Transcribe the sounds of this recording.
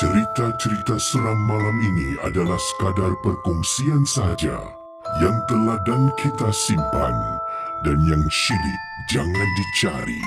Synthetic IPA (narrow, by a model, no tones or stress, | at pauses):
t͡ʃəɾit̪at͡ʃəɾit̪asəɾaŋmalaminia̰dalahsə̥kadarpərkuŋsiansaɦad͡ʒa̰ | jaŋt̪ərladaŋkʰit̪asimpa̰ndanjaŋʃilɪk̚d͡ʒaŋãndit͡ʃaɾḭ